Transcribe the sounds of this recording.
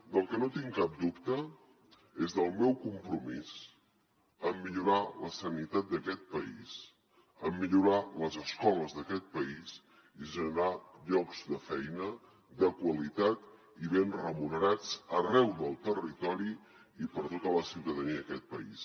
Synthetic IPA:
d̪əlˠkənot̪iŋkap̚d̪upt̪ə | ezðəlˠmɛwkumpɾumis | əmːiʎuɾaləsənit̪at̪̚d̪əkɛt̪̚pəḭs | əmːiʎuɾaləzəskɔləzðəkɛt̪̚pəis | iʒənəɾaʎɔkz̥d̪əfɛjnə | d̪əkwəlit̪at̪ | iβenrəmunəɾat͡sərɛwðəlˠt̪ərit̪ɔɾi | ipəɾt̪ot̪ələsiwt̪əðəniəkɛt̪̚pəḭs

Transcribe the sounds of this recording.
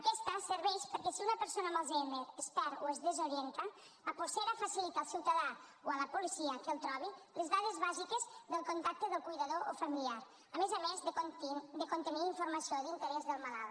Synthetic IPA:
ɐkɛst̪asəɾβɛʃpəɾkɛsiunɐpəɾsonamalˠzɛnd̪eɾəsp̪ɛɾoezðəzoɾjɛnt̪a | apoɾseɾafasilit̪aːlˠsiwt̪aða | oaləpulisiəkəlˠt̪ɾɔβilezðaðezβazikezðəlˠkont̪ak̚t̪əðəlˠkujðaðoʔofamiliaɾ | əmezamezðəod̪əkont̪əniiɱfuɾmasiod̪int̪əɾɛzðəlˠmalalˠ

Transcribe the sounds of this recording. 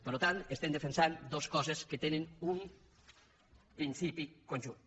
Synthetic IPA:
pəɾlot̪ant̪est̪ɛmd̪efensand̪oskɔzeskət̪enenum | pɾinsipikonʲʒun

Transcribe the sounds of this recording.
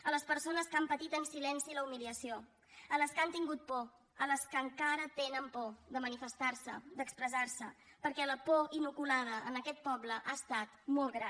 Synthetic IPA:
ələspəɾsonəskampət̪it̪ənsilɛnsiləumiliəsio | ələskant̪iŋɡut̪̚pɔ | ələskəŋkaɾət̪enəmpɔðəmənifəst̪aɾsə̰d̪əkspɾəzaɾsə | pəɾkɛləpɔinukulað̞əʔənəkɛt̪̚pɔbləʔaəst̪at̪mɔlˠt̪ɣɾa

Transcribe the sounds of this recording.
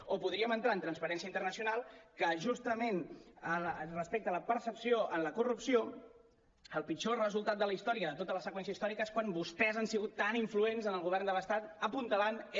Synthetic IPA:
opuðɾiəmənt̪ɾaənt̪ɾənspəɾɛnsiəint̪ərnəsiunalˠkəʒust̪əmenəlrəspek̚t̪ələpəɾsəpsioʔənləkurupsio | əlˠpit͡ʃorəzulˠt̪at̪̚d̪ələist̪ɔɾiəðət̪ot̪ələsəkwɛns̬iəist̪ɔɾikəeskwanbust̪ɛzənsiɣut̪ːaniɱfluenzənəlˠɣuβ̞ɛrnd̪ələst̪at̪əpunt̪əlan

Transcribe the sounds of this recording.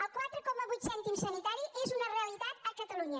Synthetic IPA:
əlˠkwat̪ɾəkɔməβujt̪sɛnt̪imsənit̪aɾiʔezunəreəlit̪at̪əkət̪əluɲə

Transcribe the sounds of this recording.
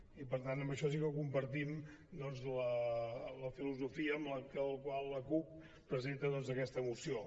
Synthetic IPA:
ipəɾt̪anəmbəʃɔs̬ikəwkumpəɾt̪im | d̪ɔnzlələfiluzufiəːmləkəlˠkwalˠːəkup̚ː | ɾəzent̪əðɔnzəkɛst̪əːmusio

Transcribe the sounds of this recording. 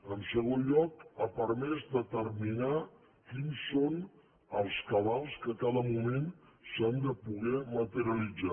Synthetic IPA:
əmsəɣonʎɔkəpəɾmɛzd̪ət̪ərmina | kinson | əlˠskəβalˠskəkaðəmumen | sand̪əpuɣ̞ɛmət̪əɾiəlid͡za

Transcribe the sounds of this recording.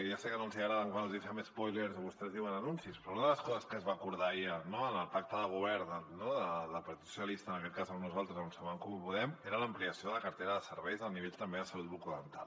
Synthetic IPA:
ʒasɛkənõnsiəɣɾaðəŋkwanəlˠzðifɛmespojleɾzoβust̪ɛzðiwənənunsispɾɔunəðələskɔzəskəzβaːkuɾðaiənoənəlˠpak̚t̪əðəɣ̞uβ̞ɛɾənoðəðəlˠpɐɾt̪it̪susəlist̪əːnəkɛt̪kazənuzalˠt̪ɾəznunsaβaaŋkɔmupuðɛmeɾələmpliəsioðələkəɾt̪eɾəðəsəɾβɛjzəlˠniβ̞eʎt̪əmbeðəsəlut̪̚βukuðənt̪a̰l

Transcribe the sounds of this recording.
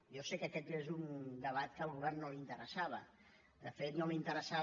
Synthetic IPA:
josekəkɛt̪ezund̪əβ̞at̪kəlˠɣuβɛrnːolint̪əɾəsaβə̰ | d̪əfet̪nolint̪əɾəsa

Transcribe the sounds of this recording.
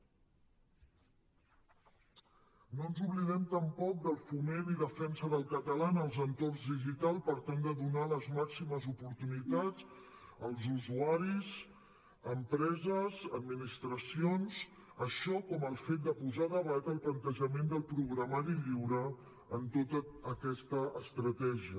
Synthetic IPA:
nonzuβliðɛmt̪əmpɔk̚d̪əlˠfumeniðəfɛnsəðəlˠkət̪əlanəlˠzənt̪orzðiʒit̪alˠpəɾt̪and̪əðunaləzmaksiməzupuɾt̪unit̪ad͡z | əlˠzuzuaɾiz | əmpɾɛzəzəd̪̚minist̪ɾəsionz | əʃɔkɔməlˠfet̪̚d̪əpuzaðəβat̪əlˠplənt̪əʒəmend̪əlˠpɾuɣɾəmaɾiʎiwɾəː | nt̪ot̪əəkɛst̪əəst̪ɾət̪ɛʒiə

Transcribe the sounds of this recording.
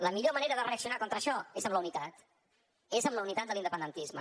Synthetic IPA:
ləmiʎoməneɾəðəreəksiunakɔnt̪ɾəʃɔezəmləunit̪at̪ | ezəmləunit̪at̪̚d̪əlind̪əpənd̪ənt̪izmə

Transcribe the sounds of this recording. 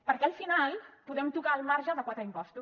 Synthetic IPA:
pəɾkɛəlˠfinalˠpuðɛmt̪ukaːlˠmaɾʒəðəkwat̪ɾəimpɔst̪u

